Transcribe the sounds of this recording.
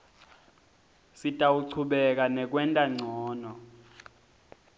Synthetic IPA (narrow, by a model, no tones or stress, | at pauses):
sitʼauǀʰuɓɛk̬anɛk̬ʼwɛntʼaŋ͡ǀʱɔːnɔ